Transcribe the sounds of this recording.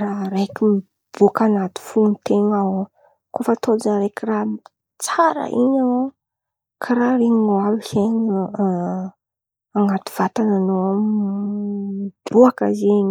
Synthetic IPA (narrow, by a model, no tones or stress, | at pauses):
raɾekʲimi | b̥ukanat̪i̥funit̪eŋa | kofat̪ʰod͡ʒaɾekiram | t͡saɾə̰ʔiɲao | kʰaɾaɾeɲiŋoalisen | aŋat̪u̥v̥at̪ananoam | id̪uakəzeɲ